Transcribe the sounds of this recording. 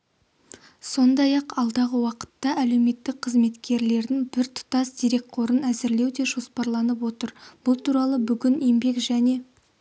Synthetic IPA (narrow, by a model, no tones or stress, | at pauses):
so̞nd̪ɑjɑqɑlˠd̪ɑʁəwɑqə̥t̪ːɑæle̞wme̞t̪ːɪk̚qʰəzme̞t̪kʲʰe̞ɾle̞ɾd̪ɪŋbɪɾt̪ʰʊ̥t̪ɑsd̪ijɾe̞k̚qʰo̞ɾənæzɪɾle̞wd̪e̞ʒo̞spɑɾlˠɑnəpwo̞t̪əɾb̥ʊlˠt̪ʰuɾɑlˠəbʏɡʲɪne̞mbe̞kʒæne̞